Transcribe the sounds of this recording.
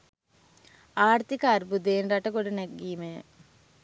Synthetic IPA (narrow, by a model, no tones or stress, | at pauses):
aːɾt̪ikaːɾbud̪eːnɖaʈːɐkoɽuneɡiːme